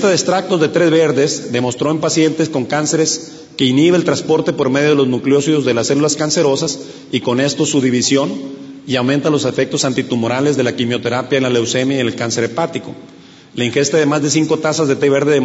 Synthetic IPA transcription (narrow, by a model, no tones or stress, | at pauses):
t̪aðest̪ɾak̚t̪o̞zðe̞t̪ɾe̞zβe̞ɾðe̞zðe̞mo̞st̪ɾo̞e̞mpasje̞nt̪e̞sko̞ŋkanse̞ɾe̞s | ke̞iniβeːlt̪ɾaspo̞ɾt̪e̞po̞ɾme̞ðjoð̞eloznukljo̞siðo̞zðe̞lasːe̞lulaskanse̞ɾo̞sas | iko̞ne̞st̪o̞suðiβisjo̞niawmẽnt̪alo̞se̞fe̞k̚t̪o̞sant̪it̪umo̞ɾale̞zðe̞lakimjo̞t̪e̞ɾapjaenlalewse̞mjajnelkanse̞ɾepat̪iko̞ | laiŋxe̞st̪aðe̞mazðe̞s̬iŋko̞t̪asazðe̞t̪ɾeβe̞ɾðeð